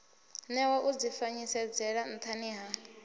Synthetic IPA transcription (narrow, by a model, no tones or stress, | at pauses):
nɛwaʔud͡zifaɲisɛd͡zɛɺan̩t̪ʰaniɦa